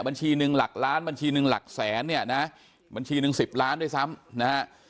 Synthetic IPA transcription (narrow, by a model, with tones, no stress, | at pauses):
ba˧nt͡ɕʰiː˧nɯ˧ŋla˨˩k̚laː˦˥nba˧nt͡ɕʰiː˧nɯ˧ŋla̰˨˩k̚sɛː˩˦nːi˥˩ɐna˦˥ʔ | ba˧nt͡ɕʰiː˧nɯ˧ŋsi˨˩p̚laː˦˥nduː˥˩jsa˦˥mna˦˥ha˦˥ʔ